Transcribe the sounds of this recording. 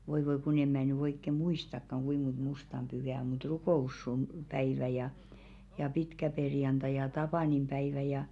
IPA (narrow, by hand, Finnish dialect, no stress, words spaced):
ʋoi ʋoi kun em̆ mæˑ ny oikːe muistɑkːɑŋ ɡ̊uim̆ mont mustɑm b̥yhæ o mut rukoˑusːun pæiʋæ jɑ jɑ pitkæperjɑntɑ jɑ tɑpɑˑnimb̥æiʋæ jɑ